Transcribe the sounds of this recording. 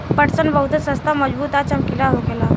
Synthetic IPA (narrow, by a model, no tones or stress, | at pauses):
pəʈt͡sənbəɦut̪əsəst̪ʰaməd͡zbuːt̪at͡ɕəmkilaɦoɡela